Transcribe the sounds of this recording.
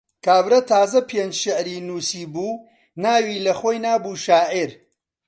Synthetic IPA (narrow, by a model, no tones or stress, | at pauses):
kaːbɾɐt̪ʰaːzɐpʰend͡ʒʃɪʕɾiːnuːsiːbuː | naːwiːlɐχoːjnaːbuːʃaːʔiɾ